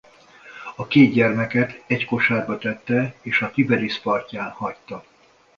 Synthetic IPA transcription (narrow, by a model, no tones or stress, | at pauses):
ɒkeːd̪̚ɟɛrmɛkɛt̪ɛcko̞ʃaːrbɒt̪ɛt̪ːɛeːʃɒt̪ibɛɾispɒrcaːnhɒct̪ɒ